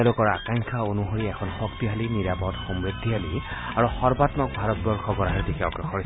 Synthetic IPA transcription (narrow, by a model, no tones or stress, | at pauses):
lʊkɔɹa̰kaŋkʰaonuɦoɹiɛkʰɔnxɔktiɦaliniɹapɔdxɔmɹid̪ʱːiɦali | aɹuxɔɹbatmɔk̚bʱaɹɔt̚bɔɹxɔɡɔɹaɦalidikɛɔɡɔxɔɹi